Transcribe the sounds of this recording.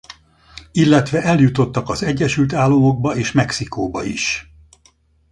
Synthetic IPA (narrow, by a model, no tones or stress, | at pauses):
ilːɛt̪ʋɛʔɛljut̪o̞t̪ːɒkɒzɛɟːɛʃylt̪aːlːo̞mo̞ɡ̚bɒeːʃmɛksikoːbɒ̰ḭʃ